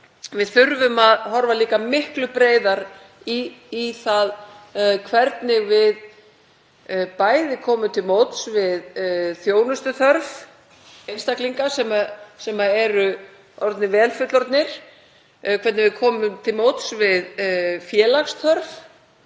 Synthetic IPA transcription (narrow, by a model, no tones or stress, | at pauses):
vɪðθʏɾvʏmaðhɔɾvaliːkamɪhklʏpɾeːjðaɾ | iːθaðkʰvɛɾt̪nɪɣvɪð | paːjðɪkʰɔːmʏt̪ʰɪlmowt̪svɪðθjoːwnʏst̪ʏθœɾv | ejnst̪akliŋkasɛmasɛmaɛɾʏ | ɔɾt̪nɪvɛːlfʏt̪lɔɾt̪nɪɾ̥ | kʰvɛɾt̪nɪvɪðkʰɔːmʏmt̪ʰɪlmowt̪svɪðfjɛːlaxst̪ʰœɾv